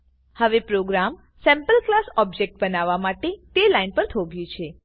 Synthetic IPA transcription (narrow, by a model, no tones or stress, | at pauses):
həʋepɾoɡɾam | sɛ̃mpəlklasɔb̚d͡ʒek̚ʈ̚bənaʋamaʈet̪elainpəɾt̪ʰoɡjũt͡ʃʰe